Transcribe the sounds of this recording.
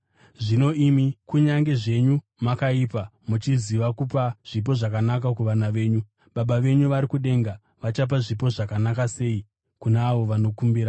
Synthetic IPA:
ʐino̞imikuɲaŋɡe̞ʐe̞ɲu | makaiːpa | mut͡ʃiziʋakupaʐ̥ip̬o̞ʐakanak̬akuʋanaʋe̞ːɲu | ɓaɓaʋe̞ɲuʋaɾikuɗe̞ŋɡa | ʋat͡ʃap̬aʐipo̞ʐakanakase̞i | kuneaʋo̞ʋano̞kumbiːɾa

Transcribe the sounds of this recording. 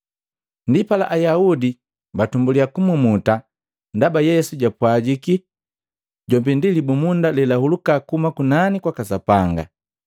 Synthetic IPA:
ndipala̰ʔajaudi | batumbuliakumumuta | ndabajɛsuɟapwaɟiki | ɟɔmbɛndilibumundalɛlahulukakumakunanikwakasapaŋɡa̰

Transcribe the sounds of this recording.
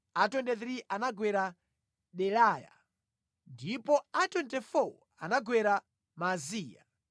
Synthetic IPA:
atɔndɛθɾiʔanaɡwɛɾa | ɗɛlaːja̰ | ndipɔatɔntɛfɔ | anaɡwɛɾa | maziːja

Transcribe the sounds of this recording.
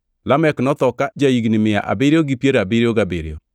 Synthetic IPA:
lamɛknɔt̪ɔkad͡ʒaiɡinimɪa̰ʔa̰beɾeoɡipjeɾabeɾeoɡabeɾḛɔ

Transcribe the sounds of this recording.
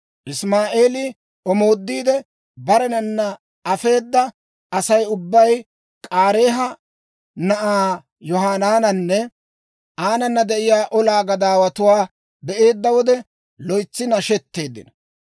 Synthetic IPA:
ʔɪsmaːʔeːlɪ | ɔmo̞ːd̪ːiːd̪ɛ | bɐɾɛnɐnːɐ | ɐfe̞ːd̪ːɐ | ɐsɐjʊbːɐj | kʼaːɾe̞ːɦɐ | nɐʔaː | jɔɦaːnaːnɐnːɛ | aːnɐnːɐd̪ɛʔɪjaːʔɔlaːɡɐd̪aːwɐt̪ʊwaː | bɛʔe̞ːd̪ːɐwɔd̪ɛ | lɔjt͡sːɪnɐʃɛt̪ːe̞ːd̪ːɪ̰nɐ

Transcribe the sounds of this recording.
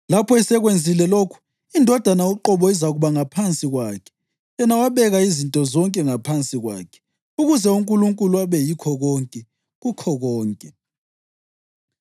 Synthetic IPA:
lapʰɔɛsɛɣwend͡zʱilɛlokʰu̥ | indʱɔd̥ʱanaoǃɔβɔizaɣuβaŋapʰant͡sʼiɣwakʰɛ̥ | jɛnawaβɛɣaizintʼɔzɔŋkʼɛŋapʰant͡sʼiɣwa̰ːkʰɛ̥ | uɣuzɛuŋkʼuluŋkʼuluaβɛjikʰɔɣɔŋkʼɛ | ɣukʰɔɣɔːŋkʼɛ

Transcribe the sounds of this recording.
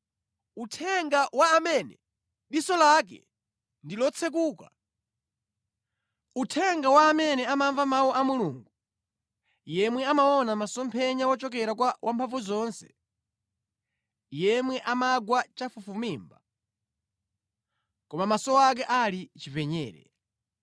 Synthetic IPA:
utʰɛŋɡawaːmɛnɛ̰ | ɗisɔlak̬ɛ̰ | ndilɔt͡sʰɛk̬uːka̰ | utʰɛŋɡawaːmɛnɛamaɱvamawuʔamuluːŋɡu | jɛmwɛamaɔnamasɔmpʰɛɲawɔt͡ʃɔk̬ɛɾak̬wawʔampʰaɱvuzɔnsɛ̰̥ | jɛmwɛʔamaɡwat͡ʃafufumiːmba | kɔmamasɔak̬ɛʔalit͡ʃivɛɲɛ̰ːɾɛ̰

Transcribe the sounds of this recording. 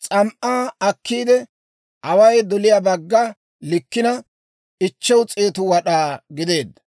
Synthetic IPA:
t͡sʼɐmʔaːɐkːiːd̪ɛ | ʔɐwɐjd̪ɔlɪjaːbɐɡːɐ | lɪkːɪnɐ | ɪt͡ʃːɛwt͡sʼeːt̪ʊwɐɗaːɡɪd̪e̞ːd̪ːɐ

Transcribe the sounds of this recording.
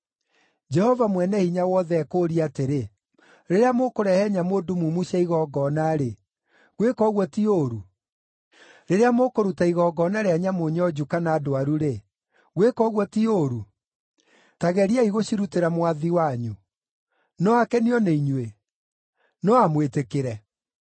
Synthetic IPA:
d͡ʒɛhɔvamwɛnɛhiɲawɔðɛːkoɾiateɾe | ɾeɾeamokoɾɛhɛɲamoːdumumuɕaiɣɔɡɔnaɾe | ɣwekɔɣwɔtioɾ | ɾeɾeamokoɾutaiɣɔɡɔnaɾeaɲamoɲɔd͡ʑukanaːdoaɾuɾe | ɣwekɔɣwɔtiɾu | taɣɛɾiaiɣoɕiɾuteɾamwaðiwaɲu | nɔakɛniɔneiɲwe | nɔamwetekeɾɛ

